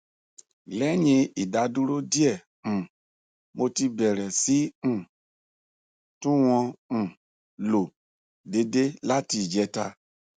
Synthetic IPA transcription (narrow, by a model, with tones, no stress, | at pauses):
lɛ˨˦ɲĩ˧i˨da˧du˦ɾo˦di˦ɛ̃˦˨ | mo˧ti˧bɛ˨ɾɛ˨sĩ˨˦˨ | tũ˦w̃ɔ̃˧˨ | lo˨ | de˧de˦la˦ti˧˨d͡ʒɛ˨˦ta˧